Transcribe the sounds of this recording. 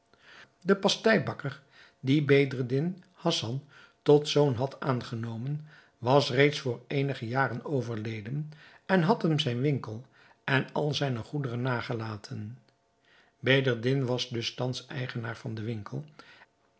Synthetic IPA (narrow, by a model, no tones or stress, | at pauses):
dəpɑstɛjbɑkəɹ | dibedərdɪn | hɑsɑn | tɔtsownɦɑtaːnχənowmən | ʋɑsrejtsfʊːɹejnəχəjaːrənowvəɹlejdən | ɛnɦɑtɦəmzɛjnʋɪŋkəlˠ | ɛnɑlˠzɛjnəχudərənːaːχəlaːtʰən | bejdəɹdɪnʋɑzdɵstɑnsɛ̰jχənaːɹv̥ɑndəʋɪŋkəlˠ